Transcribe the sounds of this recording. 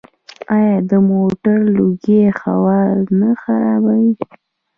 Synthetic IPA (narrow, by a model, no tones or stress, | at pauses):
ɑjɑd̪əmoʈaɾloɡexa̰wɑɾnaxaɾɑbawi